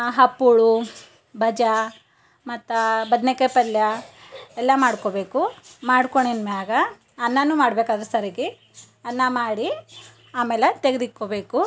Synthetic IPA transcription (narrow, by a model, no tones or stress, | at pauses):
ɦɐpːuɭu | bʱɐd͡ʒɐ | mɐt̪ːɐbɐd̪nekepɐljɐ | ɛlːɐmaːɽkoːbeːkumaːɽkoɳenmeaːɡɐː | nːɐnːumaːɽbeːkaːd̪ɐɾusɐɾɐɡe | ɐnːɐmaːɽi | aːmeːlet̪eɡed̪ikːoːbeːku